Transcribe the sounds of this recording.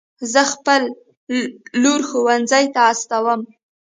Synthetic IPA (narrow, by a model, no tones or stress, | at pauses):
zəxpəlː | oɾxowanzəjt̪aːst̪awəm